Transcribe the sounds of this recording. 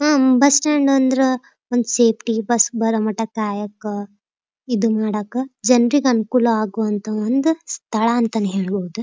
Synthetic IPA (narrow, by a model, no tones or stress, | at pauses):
aːbɐsʈeɳɖɐnd̪ɐɾe | ond̪useːpʰʈibɐsbɐɾɐmɐʈːɐkaːjɐkː | id̪umaːɽɐːkːɐd͡ʒɐnɾiɡeɐnukuːlɐaːɡuɐnt̪ɐond̪ust̪ʰɐɭɐːnt̪ɐnːeɦe̞ːɭboɦud̪u